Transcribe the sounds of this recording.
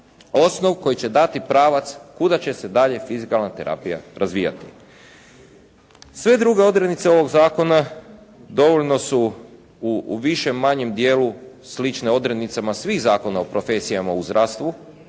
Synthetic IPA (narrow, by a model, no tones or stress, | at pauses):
o̞sno̞ʋko̞jit͡ɕe̞d̪at̪ipɾaːʋat̪skud̪at͡ɕe̞se̞d̪aʎe̞fizikalˠnat̪e̞ɾa̰pija̰ɾazʋija̰t̪i̥ | sʋe̞d̪ɾuɡe̞o̞d̪ɾenit̪seo̞ʋo̞ɡzaːko̞na | d̪o̞ʋoʎno̞su | uʋiʃe̞mːaɲe̞md̪jeːlu | slit͡ʃneo̞d̪ɾe̞d̪nit̪samasʋiːxzaːko̞naopɾo̞fe̞sijamauzd̪ɾʔast̪ʋu